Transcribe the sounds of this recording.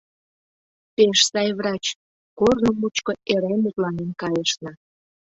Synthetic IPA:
peʃsɑjβrɑt͡ɕ | kornomut͡ɕkoeɾemut̪lɑnenkɑjəʃnɑ

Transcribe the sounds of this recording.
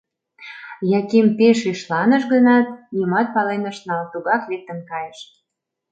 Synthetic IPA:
jɑkimpeʃyʃlɑnəʃɣənɑt̪̚jəmɑt̪̚pɑlenə̆ʃnɑlt̪uɣɑklek̚t̪ə̆mkɑjəʃ

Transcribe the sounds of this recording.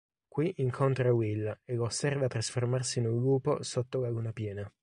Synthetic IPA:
kwiʔiŋkʰont̪ɾawilːeloːsːɛrvat̪ːɾasformarsinuŋluːpo̰sot̪ːolaɡunapjɛːna

